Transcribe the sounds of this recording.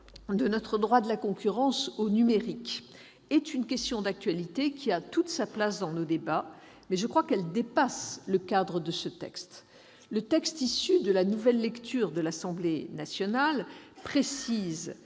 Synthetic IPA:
d̪ənɔt̪χəd̪ʁwad̪əlakɔ̃kʲyʁɑ̃sonymeʁik | ɛt̪ynkʲɛst̪jɔ̃d̪ak̚t̪ɥalit̪ekʲʰiat̪ut̪saplasd̪ɑ̃nod̪eba | mɛʒəkχwakɛld̪epasləkad̪ʁəd̪əsət̪ɛ̰kst̪ | lət̪ɛkst̪isyd̪əlanuvɛlːɛkt̪ʰyʁd̪əlasɑ̃blenasjɔnalpχesiz

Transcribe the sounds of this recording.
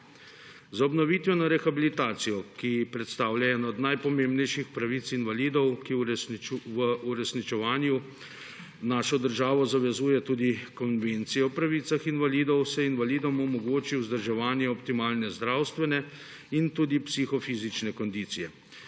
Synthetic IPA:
zaɔbnɔʋiːt̪ʋɛnaɾɛxabilit̪aːt̪sijɔkipɾɛt̪st̪aːwljaɛːnɔɔd̪najpɔmembnɛjʃixpɾaʋiːt̪sinʋaliːd̪ɔwki | ʋəuɾɛsnit͡ʃɛʋaːnju | naːʃɔd̪əɾʒaːʋɔzaʋɛzuːjɛt̪uːd̪ikɔnʋent̪sijɛɔpɾaʋiːt̪saxinʋaliːd̪ɔwsɛinʋaliːd̪ɔmɔmɔɡoːt͡ʃiwzd̪əɾʒɛʋaːnjɛɔpt̪imaːlnɛzd̪ɾaːwst̪ʋɛnɛ | int̪uːd̪ipsixɔfiːzit͡ʃnɛkɔnd̪iːt̪sijɛ

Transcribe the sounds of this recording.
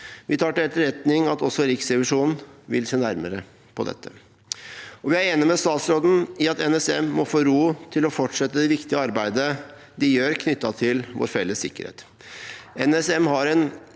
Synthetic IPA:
ʋɪt̪ʰɑːʈɪɛt̪ːəɾɛt̪nɪŋɑt̪ɔsːɔɾɪksɾɛʋɪʂuːnn̩ʋɪlseːnæɾməɾə | pʰɔd̪ɛ̰t̪ːə | ɔʋɪæɾeːnəmɛst̪ɑːt̪sɾoːd̪n̩ɪɑt̪ɛnɛsɛmːɔfoːɾuːt̪ʰɪlɔfɔʈʂɛt̪ːəd̪ɛʋɪkt̪ɪəɑɾbæɪd̪ə | d̪ɪjøːɾkʰnʏt̪ːɑt̪ʰɪlʋo̰ːɾfɛlːəsːɪ̰kːəɾhḛːt̪ | ɛnɛsɛmhɑɾɛn

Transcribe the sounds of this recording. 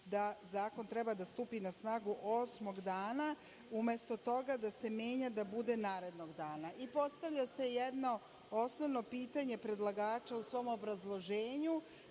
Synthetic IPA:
d̪azaːko̞nt̪ɾe̞bad̪ast̪uːpinasnaːɡuʔosmo̞ɡd̪aːna | umje̞st̪o̞t̪o̞ɡad̪ase̞mje̞ːɲad̪abud̪e̞naːɾe̞d̪no̞ɡd̪aːnaipo̞st̪aʋʎase̞jed̪no̞ | osnoʋno̞piːt̪aɲe̞pɾe̞d̪lˠaɡaːt͡ʃausʋo̞mobɾazlˠo̞ʒeːɲu

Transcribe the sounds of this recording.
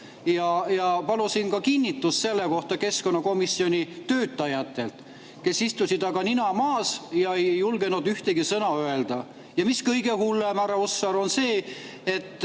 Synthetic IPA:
jɑjɑpɑlusinkɑkinʲːit̪ːusse̞lːeko̞ht̪ɑke̞sko̞nːɑko̞misio̞nʲit̪øːt̪ːˑɑjɑt̪ːˑe̞lt̪ | ke̞sist̪usʲid̪ɑɡɑninɑmɑːsjɑejːulɡ̥enud̪yht̪eɡ̥isɤnɑøe̞ld̪̥ɑ | jɑmiskɤjɡ̥e̞hulːemæɾɑosːɑɾo̞nse̞ː | et̪ːˑ

